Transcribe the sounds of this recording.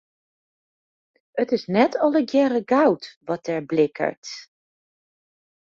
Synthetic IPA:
ətɪsnɛtʰɔləɡjɛɾəɡawtʋɔt̚ɛɹblɪkʰə̰ɹt

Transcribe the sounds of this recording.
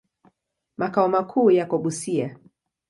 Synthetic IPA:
makaɔmakʰuːjakɔɓusia

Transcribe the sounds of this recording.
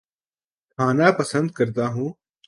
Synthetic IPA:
kʰaːnaːpəsənd̪̚kəɾt̪aːɦũː

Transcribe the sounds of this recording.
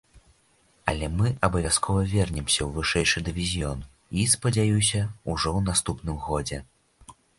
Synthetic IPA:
ɐ̰lʲɛmɨʔɐbɐvʲaskʰɔvɐvʲɛrnʲɛmsʲɐwvɨʂɛjʂɨd̪ɨvʲizʲjɔn | ispɐd͡zʲajus̬ʲɐuʐɔwnast̪upnɨmɣɔd͡zʲɛ

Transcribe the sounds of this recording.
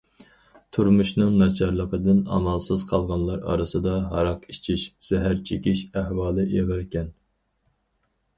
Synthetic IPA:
t̪ʰuɾmuʃnɨŋnɑt͡ʃʰɑɾlˠəqəd̪ɨnɑ̰mɑlˠsɨz̥qʰɑlˠʁɑnlˠɑɾɑ̰ɾɨsɨd̪ɑɦɑɾɑqit͡ʃʰiʃz̥ɛɦæɾt͡ʃʰekʲiʃæhwɑːlˠɨʔeʁəɾkʲɛn

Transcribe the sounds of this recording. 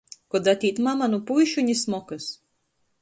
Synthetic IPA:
kɔd̪at̪ʲiːt̪mamanupujʃuɲʲismɔkɨs

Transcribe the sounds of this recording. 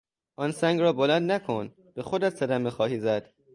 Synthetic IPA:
ʔɒnsæŋɡrɒːbolænd̪nækʰon | b̥exod̪æt̪sæd̪æmexɒːhiːzæd̪̥

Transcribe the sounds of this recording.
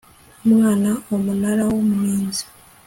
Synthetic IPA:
mwaːnaomunaɾawomumiːnzi̥

